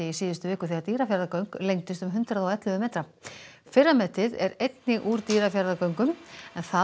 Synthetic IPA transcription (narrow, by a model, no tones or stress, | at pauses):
ɪisiːðʏst̪ʏvɪːkʏθiat̪iːɾafjaɾðakœɥŋklejŋt̪ɪst̪ʏmɦʏnt̪ɾaðɔwɛt̪lʏvʏmeːt̪ɾa | fɪrːamɛt̪ɪðɛɾejt̪nɪʔuːɾt̪iːɾafjaɾðakœɥŋkʏmɛnθa